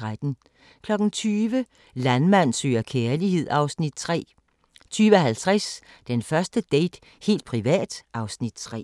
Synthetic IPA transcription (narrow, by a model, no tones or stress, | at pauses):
ʁad̥n̩ | kʰlɒ̽ɡ̥n̩t͡sʰyːʋə | lænmæn̰sø̰ːɐkʰeːɐlihe̝ð̞̰ˠɑ̈ʊsnid̥t͡sʰʁɛ̰ː | t͡sʰyːʋəɦælt͡sʰʁas | d̥enfɶɐsd̥əd̥eɪd̥ | he̝̰ːld̥̚pʰʁiʋɛ̰ːd̥ʔɑ̈ʊsnid̥̚t͡sʰʁɛ̰ː